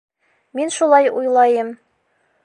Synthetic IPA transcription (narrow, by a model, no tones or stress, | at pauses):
minʃulˠɑjujlˠɑjɤm